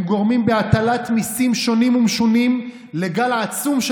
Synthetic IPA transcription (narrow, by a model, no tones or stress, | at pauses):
mɡo̞ʁmimbeat̪alat̪misimʃo̞nimumʃonim | leɡalaːt͡sumʃ